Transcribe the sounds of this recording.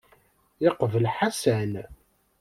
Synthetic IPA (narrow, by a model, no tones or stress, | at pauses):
jɪqvəlħasæn